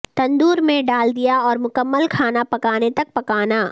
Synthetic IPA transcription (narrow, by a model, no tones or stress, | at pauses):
t̪ɐ̃nd̪uːɾmẽɖaːld̪ijaɔːɾmʊkəmːəlkʰaːnapɐkaːnet̪ɐk̚pɐkaːnaː